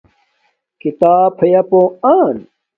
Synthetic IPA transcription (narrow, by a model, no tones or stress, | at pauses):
kit̪aːpʰɐjɐpõaːn